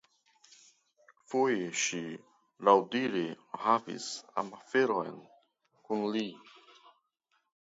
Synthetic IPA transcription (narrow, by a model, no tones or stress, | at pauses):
fujʃi | lawdiɾi | havḭsa̰mafeɾojn | kunli